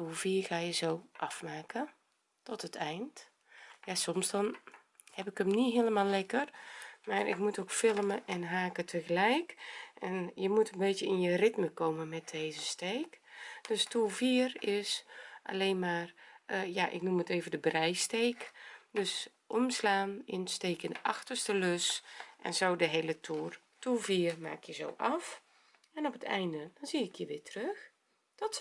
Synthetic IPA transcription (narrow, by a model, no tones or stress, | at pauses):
tulˠviːərɣaːjəzoːʔafmaːkə | tɔtətʰɛjnt | jasɔmsdɔn | hɛpɪkəmniɦɪləmalɛkərmaːɾɪ̰k̚mutokfɪlˠəməʔɛnɦaːkətʰəɣəlɛjkʔɛnjəmutənbeːtjəɪnjərɪtməkoːməmɛt̚deːzəsteːkd̥østulˠfiːərɪsʔa̰leːnmaːrjaʔɪ̰knuməteːvəndəbrɛjsteːkdøs | ʔɔmslaːnɪnəsteːkənʔɑxtərstəløsʔɛ̰nzoːdəɦejlətʰuːr | tuviːərma̰ːkʰjəzo̰wʔɑf | ɛnɔpətɛ̰jndəd̥ɔnziɪkʰjəʋɪːtʰrøx | d̥ɔt